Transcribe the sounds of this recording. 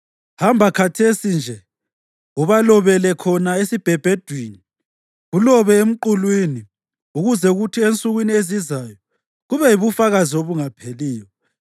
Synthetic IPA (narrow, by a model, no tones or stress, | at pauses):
hambʱakʰatʰesind͡ʒʱɛ | uβalɔβɛlɛkʰɔnaesib̥ʱɛb̥ʱed̥ʱwini | ɣulɔβɛem̩ǃulwini | uɣuzɛuɣutʰient͡sʼuɣwiniezizajɔ | ɣuβɛjiβufaɣazioβuŋapʰeliːjɔ